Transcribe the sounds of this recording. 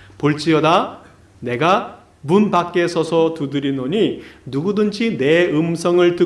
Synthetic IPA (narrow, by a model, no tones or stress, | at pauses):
poɭt͡ɕ͈iʌda | ne̞ɡa | munbak͈̚e̞sʰʌsʰʌtudɯɾinoɲinuɡudɯnd͡ʑʰine̞ɯmsʰʌŋɯɭtɯ